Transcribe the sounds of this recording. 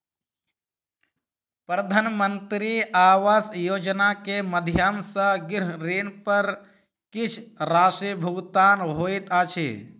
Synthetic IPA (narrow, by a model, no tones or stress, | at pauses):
pɾəd̪ʱaːnmənt̪ɾiaːʋaːsjoːd͡ʒnakeməd̪ʱjamsə̃ɡɪɾɾiːnpəɾ | kit͡ʃʰɾaːsibʱəɡt̪aːnɦoːit̪aːt͡ʃʰḭ